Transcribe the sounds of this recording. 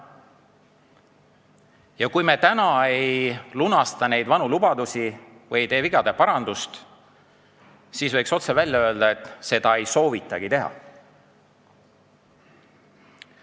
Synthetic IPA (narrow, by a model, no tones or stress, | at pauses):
jɑkujme̞t̪ænɑe̞jlunɑst̪ɑne̞jd̪vɑnulubɑd̪usi | vɤjejt̪e̞ːviɡɑd̪̥e̞pɑɾɑnd̪ust̪ | siːsvɤ̞jkso̞t̪se̞vælʲjɑø̞ːld̪ɑe̞t̪ːˑse̞d̪̥ɑe̞jso̞ːvit̪ːˑɑɡ̥it̪e̞ɦɑ̰